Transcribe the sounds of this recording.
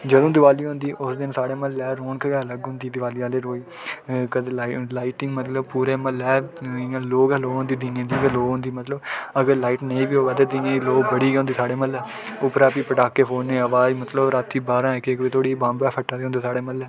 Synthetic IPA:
d͡ʒəd̪õːd̪ɪʋaːliːɦõːnd̪iːʔʊsd̪ɪnsaːɽeːməlɛːɾoːɳkəɡɛːələɡɦʊ̃nd̪iːd̪ɪʋaːliːaːleːɾoːiː | kəd̪elaːɪʈɪŋɡmət̪ləbpuːɾeːməlɛːɪãːloːkɛːloːõnd̪iːd̪inẽːd̪iːɡəloːɦõnd̪iːmət̪ləbəɡəɾlaːiːʈnəĩːbiːɦoːʋɛːt̪eːd̪ɪãːiːloːɡbəɽiːɡõnd̪iːsaːɽeːməlɛː | ʊpɾaːpiːpəʈaːkːeːpʰoːnːẽːəʋaːd͡ʒmət̪ləbɾat̪ʰːiːbaːɾãːɪkeːkʋeːt̪ʰoːɽiːbãːmbɛːpʰəʈːãːd̪eːõnd̪eːsaːɽeːməlɛː

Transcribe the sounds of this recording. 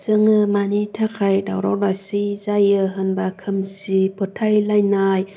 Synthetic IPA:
zɯŋɯmanitʰakʰajdawɾawlasizajɯɦɯnbakʰɯmsipʰɯtʰajlajnaj

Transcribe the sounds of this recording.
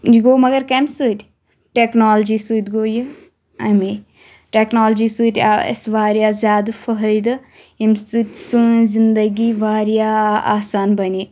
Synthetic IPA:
d͡ʒiɡoːmɐɡɐɾkɐmsɨːt̪ʲ | ʈeːknaːld͡ʒiːsɨːt̪ʲɡoːjɨ | ɐmi | ʈeːknoːld͡ʒiːsɨːt̪ʲa̰ɐ̰sʋaːɾjaːzʲjaːd̪fʰəɦəid̪ɨ | imsɨt̪ʲsɨzind̪əɡiːʋaːɾjaːa̰ːsaːnbɐni

